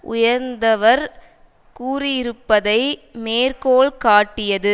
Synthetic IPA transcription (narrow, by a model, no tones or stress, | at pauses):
ʔʊ̰jɐɾnd̪ɐʋɐɾ | kuːrɪjɪɾɯpːɐðɐɪmeːrkoːɭkaːʈːɪjɐðɯ